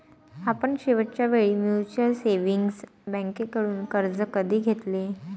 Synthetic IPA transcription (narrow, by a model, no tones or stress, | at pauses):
apəɳɕiʋəʈ̚t͡ɕjaʋeɭiːmjut͡ɕəlseʋiŋɡsbə̃ŋkekəɽuːnkəɾd͡zəkəd̪ʱiːɡʱet̪le